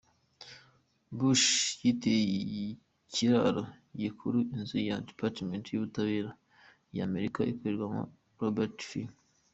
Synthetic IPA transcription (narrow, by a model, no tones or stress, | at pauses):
buʃjite | kʰiɾaɾə | jekʰuɾuinzijadipatmentjiβutaβeɾa | ja̰meɾikaʔḭpeɾɡama̰ | ɾobɛɾtfi